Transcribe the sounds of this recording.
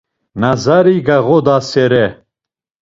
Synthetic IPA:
nazaɾiɡaɣɔd̪asɛɾɛ

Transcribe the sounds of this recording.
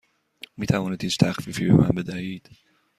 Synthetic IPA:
miːt̪ʰævɒːniːd̪hiːt͡ʃt̪ʰæxfiːfiːbḛmæ̰nbe̞d̪æhiːd̪̥

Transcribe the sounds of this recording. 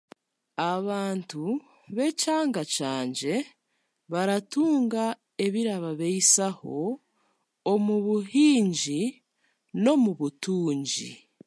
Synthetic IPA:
aβaːntu | βe̞caːŋɡacaːɲɟe̞ | βaɾatuːŋɡa | e̞βiɾaβaβe̞isaho̞ | omuβuɦiːɲɟi | no̞muβutuːɲɟḭ

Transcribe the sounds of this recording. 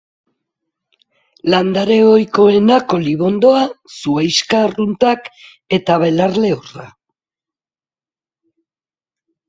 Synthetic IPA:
land̪aɾe̞ojko̞enako̞liβo̞nd̪o̞asuajskarunt̪ak | e̞t̪aβe̞laɾle̞ora̰

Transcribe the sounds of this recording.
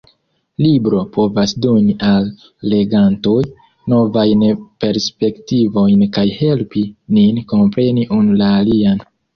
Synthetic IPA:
libɾo̞pʰo̞vasdo̞niʔalː | e̞ɡanto̞j | no̞vajnpe̞ɾspe̞ktivo̞jnkajhe̞lpininko̞mpɾe̞niʔunulaːlian

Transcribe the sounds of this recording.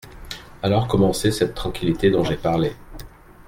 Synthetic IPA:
alɔʁkɔmɑ̃sesɛt̪ːχɑ̃kʲilit̪ed̪ɔ̃ʒepaʁle

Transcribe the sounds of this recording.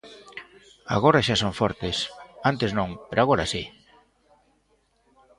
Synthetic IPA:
a̰ɣ̞oɾaʃasoɱfɔɾt̪esant̪eznõŋpeɾʔoaɣoɾasi

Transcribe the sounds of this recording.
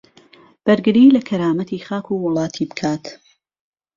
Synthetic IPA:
b̥ɐɾɡɨɾiːlɐkʰɐɾaːmɐt̪iːχaːkʰuwʊlˠɑːt̪ʰiːbɨ̥kʰaːt̪

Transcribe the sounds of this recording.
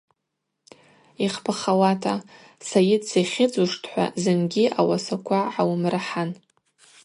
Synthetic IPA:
iχpʰaχawatʰa | sajɪdseχʲɪd͡zuʂtʰħʷa̰zɨnɡʲiʔawasakʷʰaʕawmraħan

